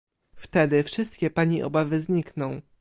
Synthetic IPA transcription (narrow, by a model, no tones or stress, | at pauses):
ft̪ɛd̪ɘfʂɘst̪̚kʲɛpaɲiʔɔ̰bavɘzɲiknɔ̃w̃